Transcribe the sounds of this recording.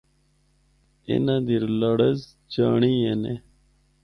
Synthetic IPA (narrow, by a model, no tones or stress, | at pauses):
ɪ̰nãːd̪iɾləɽəz | d͡ʑaːɳiːene